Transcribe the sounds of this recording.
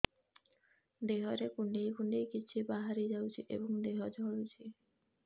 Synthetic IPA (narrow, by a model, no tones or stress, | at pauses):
d̪eɦɔɾekuɳɖejkuɳɖejkit͡ʃʰibaɦaɾid͡ʒawt͡ʃʰiʔḛbɔŋd̪eɦɔd͡ʒʱɔɭut͡ʃʰi